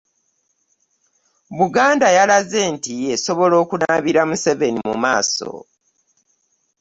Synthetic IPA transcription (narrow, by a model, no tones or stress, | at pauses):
βuɡaːndajalaze̞ːntije̞so̞βo̞lo̞ːkunaβiɾamuse̞ve̞nimṵma̰ːso̰